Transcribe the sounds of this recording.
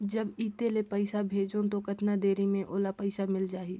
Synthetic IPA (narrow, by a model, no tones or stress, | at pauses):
d͡ʒɐbiːt̪elepəɪsabʱeːd͡ʒõt̪okɐt̪nad̪eːɾimẽʔoːlapəɪsamɪld͡ʒaːɦiː